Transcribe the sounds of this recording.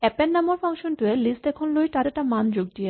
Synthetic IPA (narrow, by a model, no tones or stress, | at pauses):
ɛpenːamoɾfʰaŋʃonʈuelist̪ɛkʰonlojʈad̪eʈamand͡ʑoɡ̚d̪ie